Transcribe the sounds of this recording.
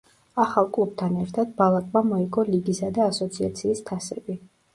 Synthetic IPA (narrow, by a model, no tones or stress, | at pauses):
aχalˠkʼlˠup̚ʰt̪ʰanɛɾt̪ʰad̪̥̚balˠakʼmamɔiɡɔliɡisad̪aːsɔt̪sʰiat̪sʰiːst̪ʰasɛbi